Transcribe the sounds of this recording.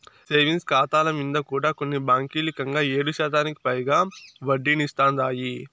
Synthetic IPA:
seːʋinskaːt̪aːlɐmind̪ɐkuːɽaːko̞nːibaːŋkiːlikɐŋɡaːeːɽuʃaːt̪aːniki̥pɐjɡaːʋɐɖːinist̪aːnd̪aːji

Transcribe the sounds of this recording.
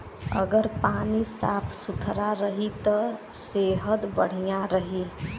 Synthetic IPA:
ə̰ɡəɾpaːnisa̰ːpʰsʊt̪ʰɾaɾəɦit̪ɔ | seːɦəd̪bəɽ̤ijãɾəɦi

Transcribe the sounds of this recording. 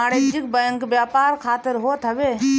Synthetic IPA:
aːɽeːd͡ʒɪk̚bɐjə̃ŋkbjaːpaːɾkʰaːt̪ɪɾɦoːt̪ɦɐʋeː

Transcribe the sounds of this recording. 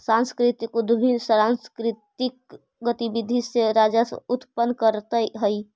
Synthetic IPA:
sãnskɾɪt̪ikud̪bʱinsɾanskɾɪt̪ik̚ | ɡət̪ibid̪ʱiseɾaːd͡ʒasʊt̪pənkəɾt̪əɦəi

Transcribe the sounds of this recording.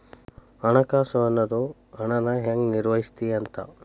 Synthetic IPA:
ɐɳɐkaːsɐʋɐnːɐd̪u | ɐɳɐnɐɦeŋɡniɾʋɐɦist̪iɐnt̪ɐ

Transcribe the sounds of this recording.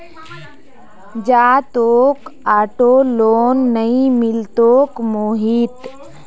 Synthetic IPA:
d͡ʒaːt̪oːkaːʈoloːnːəimɪlt̪oːkmoɦit̪

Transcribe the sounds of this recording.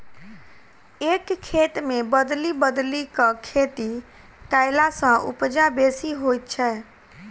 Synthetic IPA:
ekkʰːet̪mebəd̪libəd̪likəkʰet̪i | kaɪlasə̃ʔṵpd͡ʒabesiɦojt̪̚t͡ʃʰɛ

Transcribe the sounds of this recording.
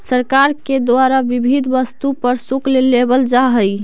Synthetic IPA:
səɾkaɾked̪waɾabibʱid̪ʱʋəst̪upəɾsuklelebəld͡ʒaɦəj

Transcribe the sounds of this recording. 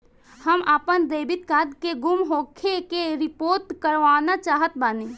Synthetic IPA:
həmʔapənd̪eːbɪt̪̚kad̪keɡʊmɦoːkʰekeɾɪpoːɾʈkəɾʋaːnat͡ʃaːɦət̪̚baːni

